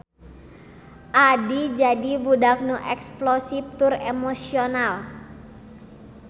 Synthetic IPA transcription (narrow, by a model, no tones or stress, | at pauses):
ʔadid͡ʒadibudak̚nuʔɛksplosip̚t̪ʊremosional